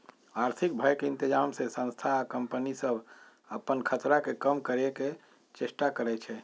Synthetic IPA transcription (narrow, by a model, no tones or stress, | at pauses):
aɾt̪ʰik̚bʱəjkeɪ̃nt̪id͡ʒamsesə̃nst̪ʰaːkəmpənisəbʱ | əpənkʰət̪ɾakekəmkəɾeke | t͡ʃeʃʈakəɾɛt͡ʃʰɛ